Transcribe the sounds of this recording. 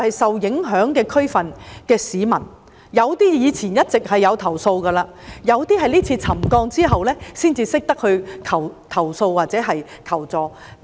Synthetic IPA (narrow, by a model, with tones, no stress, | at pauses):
hɐ˨jsɐ˨wjɪ˨˥ŋɦœː˨˥ŋkɛː˧kʰɵ˥ɥfɐ˨nkɛː˧siː˨˧mɐ˨˩n | jɐ˨˧wt̪iː˥jiː˨˧t͡sʰiː˨˩njɐ˥t̚t͡sɪ˨k̚hɐ˨jːɐ˨˧wt̪ʰɐ˨˩wso˧wkɐː˧laː˧jɐ˨˧wt̪iː˥ɦɐ˨jliː˥t͡sʰiː˧t͡sʰɐ˨˩mkɔː˧ŋt͡siː˥ɦɐ˨wlɛː˥siː˥nt͡siː˧sɪ˥k̚t̪ɐ˥k̚hɵ˧ɥkʰɐ˨˩wt̪ʰɐ˨˩wso˧wwaː˨t̚t͡sɛː˨˥ɦɐ˨j | kʰɐ˨˩wt͡sɔː˨˧